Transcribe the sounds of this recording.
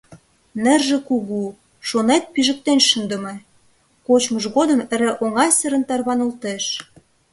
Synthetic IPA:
nĕrʒĕkuɣu | ʃonet̪̚piʒə̆k̚t̪enʃənd̪ə̆me | kot͡ɕməʒɣod̪ə̆mə̆ɾĕʔoŋɑsə̆ɾə̆nt̪ɑrβɑnəlt̪eʃ

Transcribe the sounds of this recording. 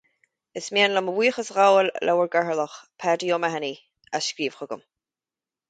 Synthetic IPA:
ɪsmiənləməwiːxəsɣawllʔa̰wəɹɡaɹələxpʰɛːdijoːmaɦani | asʃkɾiːvxʊɡə̰m

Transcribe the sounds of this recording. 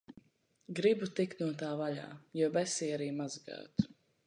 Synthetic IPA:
ɡɾibut̪ikt̪nuɔt̪aːvaʎa̰ːjuɔbɛsiːaɾiːmazɡa̰ːt̪

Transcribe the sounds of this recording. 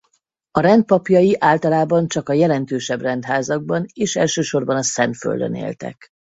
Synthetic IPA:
ɒɾɛnt̪̚pɒpjɒjiʔaːlt̪ɒlaːbɒnt͡ʃɒkɒjɛlɛnt̪øːʃɛbrɛnt̪ɦaːzɒɡ̚bɒneːʃɛlʃøːʃo̞rbɒnɒsɛnt̪fø̰ld̪ø̰nḛːlt̪ɛ̰k

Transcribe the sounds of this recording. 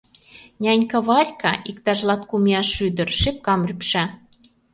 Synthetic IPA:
nʲænʲkɤβɑrʲkɑʔikt̪ɑʒlɑt̪kumiɑʃyd̪ə̆rʃep̚kɑmrʲypʃæ

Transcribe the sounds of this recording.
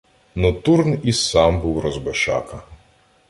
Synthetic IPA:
nɔt̪urnisɑmbuwrɔzbɔʃɑ̰kɐ

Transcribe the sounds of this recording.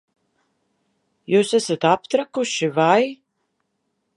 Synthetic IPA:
juːsæsat̪apt̪ɾakuʃivaj

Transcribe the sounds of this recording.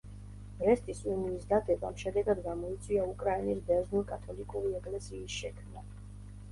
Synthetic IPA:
ɾɛst̪ʼisuniːsd̪ad̪ɛbamʃɛd̪ɛɡad̪ɡamɔit̪sʼwiaukʼɾainisbɛznuɾkʼat̪ʰɔlikʼuɾiɛkʼlɛsiːsʃɛkʰmna

